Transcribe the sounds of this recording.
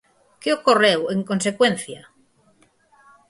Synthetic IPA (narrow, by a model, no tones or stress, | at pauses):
keokoreweŋkõns̬ekwẽn̟θja